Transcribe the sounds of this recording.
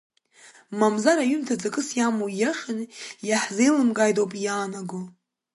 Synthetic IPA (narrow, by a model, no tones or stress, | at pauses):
mamzaɾaɥʏmtʰad͡zakʼɨsjamujaχʲɪnjaħzejlɨmɡʼajdowpʼjaːnaɡo